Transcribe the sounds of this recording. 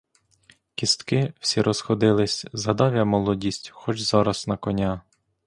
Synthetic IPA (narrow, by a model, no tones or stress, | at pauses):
kʲist̪kɪw̥sʲiɾʔɔsxɔd̪ɪlˠɪsʲzɐd̪ɑʋʲjɐmɔlˠɔdʲisʲtʲxɔt͡ʃzɑɾɐsnɐkɔnʲa